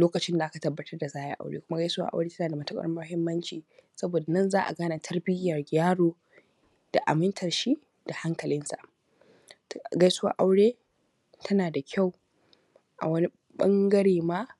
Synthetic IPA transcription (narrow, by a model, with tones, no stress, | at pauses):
loː˦kɐ˨t͡ʃɪ˦nda˨ʔa˦ka˨tɐ˨bːɐ˦tɐ˦rda˨zaː˦jɛ̰˦ʔa̰˨wɽḛː˦kʷʊ˦ma˦ɡɐ˦jsʊ˦wa̰˦ʔa̰˦wɽeː˦tɐ˦naː˨da˨mɐ˦tɐ˦kʼɐ̰˦rmɐ˦hɪ˦mːɐ˦nt͡ʃiː˨sɐ˦boː˨da˨nɐ˦˨nzaː˦ʔa̰˨ɡaː˦na˨tʰɐ˦rbɪ˦jɐ˨rɡʲaː˦ɽoː˦ | d̥a˨ʔa̰˨mɪ˦ntʰɐ˨rʃi˦ʔ | d̥a˨ha˦ŋkɐ˨lɪ˦nsa̰˨ʔ | tɡa˦jsʊ˦wa̰ː˦ʔa˦wɽeː˦ | tʰɐ˦naː˨da˨kʲʰa˦˨w | ʔa̰˨wɐ˦ni˦ | ɓɐ̰˦ŋɡɐ˦ɽeː˨maː˦